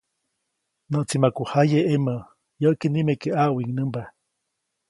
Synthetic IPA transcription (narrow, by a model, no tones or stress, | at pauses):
nəʔt͡simakuhajeʔemə | jəkenimekeʔaʔwiŋnəmba